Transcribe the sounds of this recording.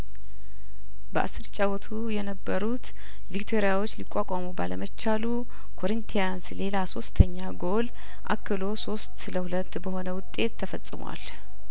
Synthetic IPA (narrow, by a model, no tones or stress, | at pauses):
bəʔa̰sːɨɾt͡ʃʼawɔt̪ʰujɛnəbːəɾut̪ | vik̚t̪ʰo̞ɾijawot͡ʃːlikʼːakʷʼamubaləmət͡ʃːalu | kʰo̞ɾint̪ʰijansle̞laso̞st̪ʰəɲːaɡo̞l | ʔa̰kːɨlo̞so̞st̪ləhulət̪ːbəho̞nəwʊt̪ʼe̞t̪ʰːəfəsʼɨmwa̰l